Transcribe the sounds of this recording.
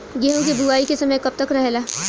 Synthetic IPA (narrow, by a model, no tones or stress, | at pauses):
ɡeːɦũkebuaːikesɐməjkɐb̚t̪ɐkɾɐɦelaː